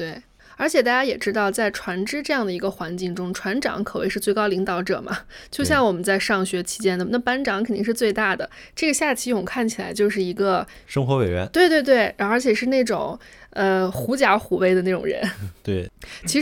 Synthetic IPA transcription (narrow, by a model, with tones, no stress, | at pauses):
t̪we˥˩ɪ | ə˞˧˥t͡ɕʰjɛ˨˩t̪̬a˥˩t͡ɕja˥jɛ˨˩ʈ͡ʂɻ̩˥t̪ɑ˥˧ʊt͡sa˥˩ɪʈ͡ʂʰwa˧˥nʈ͡ʂɻ̩˥ʈ͡ʂɤ˥˧jɑ˥˩ŋd̪ə˩i˧˥ɡə˧xwa˧˥nt͡ɕi˥˩ŋʈ͡ʂʊ˥ŋʈ͡ʂʰwa˧˥nʈ͡ʂɑ̰˧˥ŋkʰɤ˨˩wḛ˥˧ɪʂɻ̩˥˧t͡swɪkɑ˥ʊli˧˥ŋt̪ɑ˧˥ʊʈ͡ʂɤ̰˨˩mʔɐ̰˦t͡ɕjo˥˧ʊɕjɑ˥˩ŋwɔ˨˩mə˦nt͡sa˥˧ɪʂɑ˥˩ŋɕɥɛ˧˥t͡ɕʰi̥˧˥t͡ɕjɛ˥nd̪ə˨˩na˥˩pa˥nʈ͡ʂɑ˧˥ŋkʰnt̪i˥˧ʂɻ̩˥˧t͡swe˥˧ɪt̪a˥˩d̪ə̰˩ | ʈ͡ʂɤ˥˩ɡə˩ɕja˥˩t͡ɕʰi˧˥˧ʊ˨˩kʰa˥˩nt͡ɕʰi˨˩la˧˥ɪt͡ɕjo˥˧ʂ̬ɻ̩˥˩i˧˥ɡə˧ | ʂɤ˥ŋxwɔ˧˥we˨˩ɥɛ̰˧˥nt̪we˥˧ɪt̪we˥˧ɪt̪we˥˩ɪɻə˞˧˥t͡ɕʰjɛ˨˩ʂɻ̩˥˧ne˥˩ɪʈ͡ʂʊ̰˨˩˦ŋə˧xu˧˥t͡ɕja˧˥xu˧˥we˥˩ɪd̪ə˧ne˥˩ʈ͡ʂʊ̰˨˩ŋɻə̰˧˥nt̪we˥˩t͡ɕʰi˧˥ʂ